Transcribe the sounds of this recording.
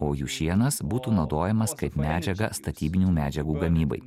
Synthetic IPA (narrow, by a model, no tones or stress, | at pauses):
oːjuːʃʲiɛnɐsbuːt̪uːnɒʊd̪oːjɛmɐskɐɪpmʲæːd͡ʒʲɛɡɐst̪ɐt̪ʲiːbʲɪnʲuːmʲæːd͡ʒʲɛɡuːɡɐmʲiːbɐ̰ɪ